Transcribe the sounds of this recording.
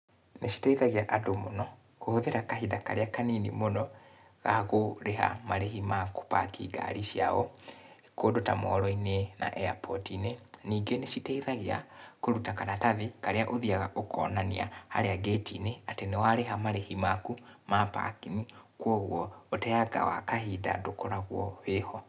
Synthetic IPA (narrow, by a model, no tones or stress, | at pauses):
neɕi̥tɛiðaɣeaʔadomonɔ | kohoðeɾakahidakaɾeakaninimonɔ | ɣaɣoɾeɦa̰maɾehimaku̥pa̰kḭːɡa̰ɾiɕia̰ɔ̰ | kodota̰mɔ̰ːɾɔinena̰ʔɛa̰pʰɔ̰tineniːɡenesitɛiðaɣea̰koɾutakanataðikaɾeaʔoðiaɣaʔokʰɔnania̰ha̰ɾeaɡetineatenewaɾeɦamaɾehimakumapa̰kinikwoɣwɔotɛjaɡa̰wa̰kahida̰dokoɾaɣwɔwehɔ